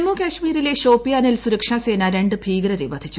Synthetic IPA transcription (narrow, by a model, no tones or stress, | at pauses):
mːuːkʲaːɕmiːɾile̞ɕo̞ːpːijaːnilsuɾɐkʂaːseːnaːɾeɳɖɨbʱiːɡɾɐɾebɐd̪ʱit͡ɕːu